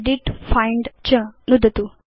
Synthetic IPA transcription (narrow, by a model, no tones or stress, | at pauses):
ɖiʈfajɳɖt͡ɕənud̪ʱət̪u